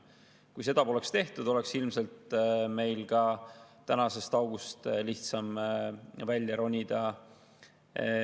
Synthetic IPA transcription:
kujse̞d̪̥ɑpo̞le̞kst̪e̞ht̪ud̪̥o̞le̞ksilmse̞lt̪me̞jlɡɑt̪ænɑse̞st̪ɑwɡ̥ust̪liht̪sɑm | vælʲjɑɾo̞nʲid̪̥ɑ

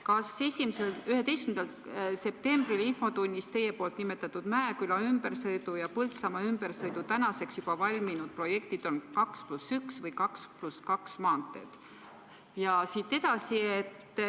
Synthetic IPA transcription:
kɑse̞sʲimiselyhe̞t̪e̞jskymnd̪ɑl | se̞p̚t̪e̞mb̥rilinfo̞t̪unʲːist̪e̞jːepo̞ːlt̪nime̞t̪ːˑɑt̪ːˑud̪̥mæekylɑymb̥e̞ɾsɤjd̪̥ujɑpult̪sɑmɑymb̥eɾsɤjd̪ut̪ænɑse̞ksjub̥ɑvɑlʲminud̪̥̚pro̞je̞kt̪id̪̥o̞nkɑksplusyksvɤjkɑkspluskɑksmɑːnt̪ːˑe̞̰d̪̥ | jɑsit̪ːe̞d̪̥ɑsiet̪ː

